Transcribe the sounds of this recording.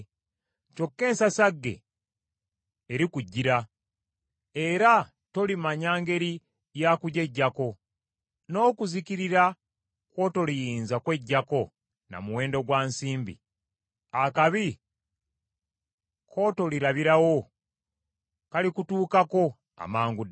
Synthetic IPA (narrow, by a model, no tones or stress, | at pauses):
co̞kːe̞ːnsasaɡːe̞̰ | ɾikuɟːiɾa | e̞ɾa | to̞limaɲaːŋɡe̞ɾi | jakuɟe̞ɟːako̞ | no̞ːkuzikiɾiɾa | kwo̞ːto̞lijiːnzakwe̞ɟːako̞ | na̰muwe̞ːndo̞ɡwaːnsiːmbḭ | akaβi | kʰo̞to̞liɾaβiɾawo̞ | kalikutuːkako̞ | a̰maːŋɡu